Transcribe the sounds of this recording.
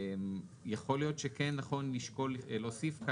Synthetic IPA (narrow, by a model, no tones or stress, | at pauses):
mjeχo̞ljo̞tʃekenːaχo̞nliʃko̞llo̞ːsifka